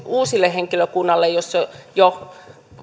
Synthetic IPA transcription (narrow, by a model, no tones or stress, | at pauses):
uːsilːeheŋkiløkunːɑlːejosːojo